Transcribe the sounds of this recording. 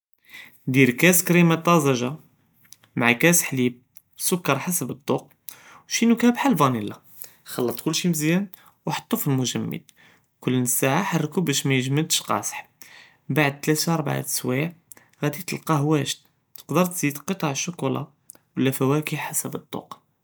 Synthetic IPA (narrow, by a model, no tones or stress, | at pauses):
d̪iɾkæskɾimat̪ˤːɑzæʒa | maʕakæsħlib̚ | sʊkːɑɾˤħasəbəd̪ˤːuq̚ | wʃinukæbħalvɑnilːa | xɑlːɑt̪ˤkʊlːʃiməzjæn | wħɑ̥t̪ˤːufəlmʊʒæmːə̰d̪̚ | kʊlːnəsaʕaħɑrˤːkubæʃmæjəʒməd̪ʃqɑ̰sħ | baʕd̪̚t̪læt̪ɑɾˤbʕa̰swiʕ | ɣæd̪it̪əlqɑɦwæʃ | t̪ə̥qd̪əɾˤt̪z̥id̪qət̪ˤɑʕəʃːʊkulɑ̰ | wəlːæfæwækiħasəbət̪ˤːṵq